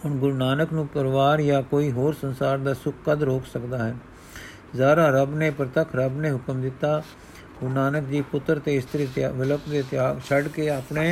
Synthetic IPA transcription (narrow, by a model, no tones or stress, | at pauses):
ʊnɡʊɾnaːnəknũːpəɾʋaːɾjaːkoːiːɦoːɾsənsaːɾd̪aːsʊkːəd̪ɾoːkʰsəkd̪aːɦən | zaːɾãːɾəbneːpəɾət̪əkʰɾəbnẽːɦʊkəmd̪ɪt̪ːaː | ɡʊɾnaːnəkd͡ʒiːpʊt̪ːɾt̪eːɪst̪əɾiːt̪ːʋɪləpd̪eːt̪ɪaːt͡ʃʰəɖkeːapneː